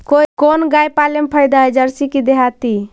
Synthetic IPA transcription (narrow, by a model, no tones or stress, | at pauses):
kokonɡajpalempʰəjd̪aɛd͡ʒəɾsikid̪eɦat̪i